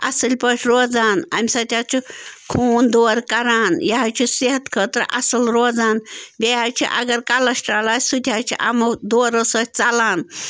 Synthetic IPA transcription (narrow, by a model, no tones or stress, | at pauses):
ɐsəlʲpəʈʲʰɾoːd͡zaːna̰mʲsɐt̪ʰʲaːt͡ʃʰukʰuːnd̪oːɾkɐɾaːnjaɦat͡ʃʰuseɦət̪kʰəːt̪ɾ̰ʔɐ̰səlɾoːd͡zaːnbʲeat͡ʃʰḭʔɐ̰ɡɐɾkalɐsʈɾaːlaːsut̪ʲʰaːt͡ʃʰiʔa̰mɐd̪oːɾəsəːt̪̚ʰʲt͡salaːn